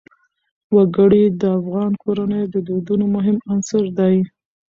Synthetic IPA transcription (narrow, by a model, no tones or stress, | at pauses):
waɡəɽid̪əafɣɑnkʰoɾanəjd̪əd̪od̪unomʊɦɪmansəɾd̪ɑj